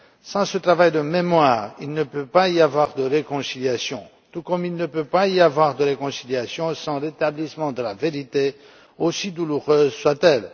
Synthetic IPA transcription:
sɑ̃sət̪χavajd̪əmemwaːʁilnəpøpaiavwaʁd̪əʁekɔ̃siljasjɔ̃ | t̪ukɔmilnəpøpaiavwaʁd̪əʁekɔ̃siljasjɔ̃sɑ̃ʁet̪ablismɑ̃d̪əlaveʁit̪e | osid̪uluʁøːzswat̪ɛl

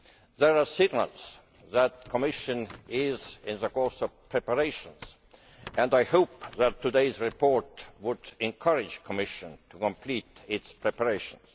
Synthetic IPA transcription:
ðəɹɑsɪɡnə̰lz̥ | ðæt̪̚kʰomɪʃə̃nɪzɪ̃nðəkoɹsɔvpʰɹ̥ɛpəɹeɪʃə̃ns | ʔæ̃ndaɪhoʊpðætʰːudeɪzɹipʰɔɹtwʊd̪̥ɛ̃nkʰʌɹɪ̥d͡ʒkʰɔmɪʃə̃ntʰukɔ̃mpʰliːt̪ɪtspʰɹɛpəɹeɪʃə̃ns

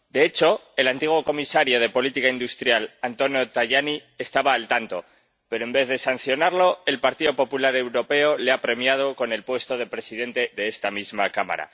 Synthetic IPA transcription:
d̪e̞et͡ʃo̞e̞lant̪iɣwo̞ko̞misaɾjo̞ð̞e̞po̞lit̪ikaind̪ust̪ɾjalant̪o̞njo̞t̪aʝaniest̪aβaːlt̪ant̪o̞ | pe̞ɾo̞e̞mbe̞θðe̞san̟θjo̞naɾlo̞e̞lpaɾt̪iðo̞po̞pulaɾe̞wɾo̞pe̞o̞leapɾe̞mjað̞o̞ko̞ne̞lpwe̞st̪o̞ð̞e̞pɾe̞siðe̞nt̪e̞ðe̞est̪amizmakama̰ɾa̰

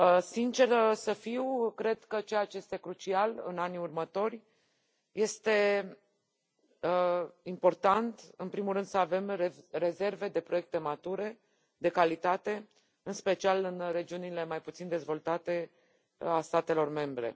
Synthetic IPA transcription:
sint͡ʃe̞rsəfiwkɾe̞d̪kət͡ʃejat͡ʃeje̞st̪ekɾut͡ʃialɨ̰naniurmət̪o̞rʲ | je̞st̪e̞ | impo̞rt̪ant̪ɨnpɾimulɾɨnd̪səave̞mere̞ze̞rve̞d̪e̞pɾo̞jek̚t̪e̞mat̪uɾe̞ | d̪e̞kalit̪at̪e̞ | ɨnspe̞t͡ʃialɨnre̞d͡ʒiunile̞majput̪sind̪e̞zvo̞lt̪at̪e̞ | ast̪at̪e̞lo̞rme̞mbɾe̞̰

